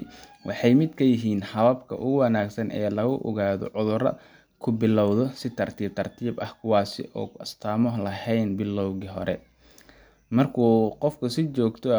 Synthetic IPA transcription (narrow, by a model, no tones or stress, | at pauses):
wʔɑ̰ħɑjmɪd̪kʰɐjɪɦiːnħɐβɐbkʰɐ̰ʔʊɣʊwɑnaːɡsɐnʔɛ̰ːlɐɣʊʔɔ̰ɣaːðɔ̰ʕʊðʊɾɐ̰ | kʰʊbɪlɔwðɔsɪt̪ʰɐrt̪ʰiːb̚t̪ʰɐrt̪ʰiːbɐhkʰʊwɑːsɪ̰ʔɔ̰ːɐst̪ʰaːmɔlɐhɛjnbɪlːɔwɣiɦɔɾɛ̰ | mɐrkʰuːqɔfkʰʊsɪt͡ʃɔːɡt̪ʰɔ